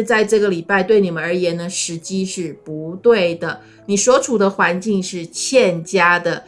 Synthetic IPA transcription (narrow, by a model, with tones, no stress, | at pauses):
t͡sa˥˧ɪʈ͡ʂɤ˥˩ɡə˩li˨˩pa˥˧ɪt̪we˥˩ɪni˨˩mə˦nə˞˧˥jɛ˧˥nnə˧ʂɻ̩˧˥t͡ɕi˥ʂɻ̩˥˩pu˧˥t̪we˥˩ɪd̪ə˩ | ni˨˩ʂwɔ˥ʈ͡ʂʰu˨˩d̪ə˦xwa˧˥nt͡ɕi˥˧ŋʂɻ̩˥˧t͡ɕʰjɛ˥˧nt͡ɕja˥d̪ə˨